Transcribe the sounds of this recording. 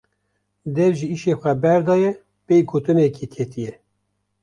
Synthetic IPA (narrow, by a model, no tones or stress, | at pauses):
d̪ɛvʒiiʃeːxʷɛbɛɾd̪ɑːjɛ | pejɡoːt̪ɨnɛkʰekʰet̪ijɛ